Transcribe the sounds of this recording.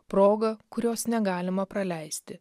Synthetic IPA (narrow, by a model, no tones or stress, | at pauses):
pɾoːɡɐkʊɾʲoːsnʲɛɡɑːlʲɪmɐpɾɐlʲɛɪsʲt̪ʲɪ